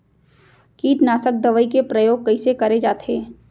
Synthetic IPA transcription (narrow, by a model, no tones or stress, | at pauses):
kiːʈnaːsək̚d̪ɐʋəikepɾəjoːɡ̚kɐɪsekɐɾed͡ʒaːt̪ʰeː